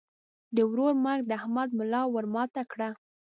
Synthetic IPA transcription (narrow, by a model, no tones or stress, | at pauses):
d̪əwɾoɾmaɾɡ̚d̪əahmad̪̚mʊlɑwəɾmɑt̪akɽa